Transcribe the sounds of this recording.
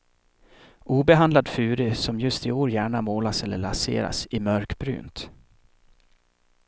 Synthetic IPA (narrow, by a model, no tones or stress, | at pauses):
ʔuːbɛɦand̪lad̪fʉːɾɪsɔmjɵst̪ɪoːɾjæːɳamoːlasɛlːəɭasḛːɾa̰sɪmœɾkbɾy̰ːnt̪